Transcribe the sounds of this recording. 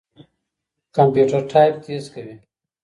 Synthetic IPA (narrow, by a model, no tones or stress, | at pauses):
kɐmpjuːʈɐɾʈʰaːjp̚t̪eːzkɐwi